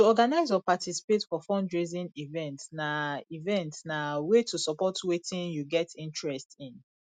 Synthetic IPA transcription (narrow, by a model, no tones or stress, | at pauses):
tuɔɡanaɪzɔpatʰisi̥petfɔfɔ̃ndɹezĩnivɛ̃ntsnaivɛ̃ntsnawetusɔpɔtwetʰĩnjuɡɛtʰĩntɹɛstĩn